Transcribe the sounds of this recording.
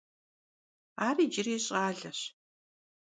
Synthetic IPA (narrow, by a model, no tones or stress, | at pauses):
aːriːd͡ʒɪriːɕʼaːɮɐɕ